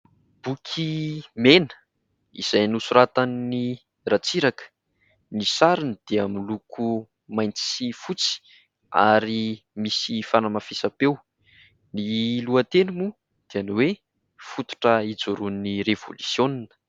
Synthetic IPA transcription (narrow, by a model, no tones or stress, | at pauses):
b̥ukʰimenə̥ | ḭz̥ajnusuɾat̪anni | rat͡siɾakə̥ | nisaɾind̪̥eamilukʰu | majnt͡sifut͡si̥ | a̰ɾi | misifanamafisapew | niluət̪enumu | d̪̥eanwe | fut̪u̥ʈ͡ʂəid͡zuɾunirev̥o̰lusjoninə̥